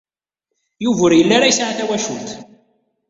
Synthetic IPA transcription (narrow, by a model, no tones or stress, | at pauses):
juvəɾjəlːaɾajəsʕaθæwæʃult̪